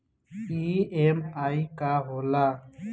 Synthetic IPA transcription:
iːeːmaːikaːɦoːlaː

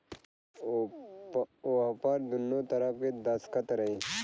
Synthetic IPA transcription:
oaːpaːɾd̪unːot̪ɐɾapked̪askɐt̪ɾɐi

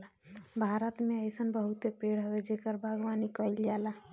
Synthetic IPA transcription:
bʱaɾət̪meəjsənbəɦut̪epeɽɦəwed͡ʒekəɾbʱəɡwanikəild͡ʒala

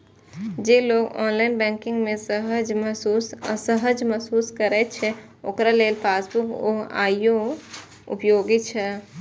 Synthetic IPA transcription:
d͡ʒeloːɡɔ̰ːnlaːɪnbɛ̃ŋkɪ̃ŋɡmẽəɦd͡ʒussəɦəd͡ʒmɛɦsuːskəɾɛt̪t͡ʃʰɛ | oːkɾalelpʰaːsbukoa̰ijo | ṵpjoɡit͡ʃʰɛ

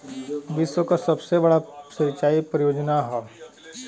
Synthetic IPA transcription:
ʋɪswəkasɐbsebɐɽasɪɾt͡ʃaːipɾɐjoːd͡ʒnaɦɛː

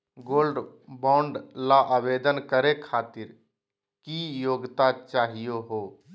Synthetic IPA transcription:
ɡoːlɖbãːʊɳɖlaʔabeːd̪ənkəɾekʰaːt̪ɪɾ | kijoːɡt̪at͡ʃaːɦijoɦoː

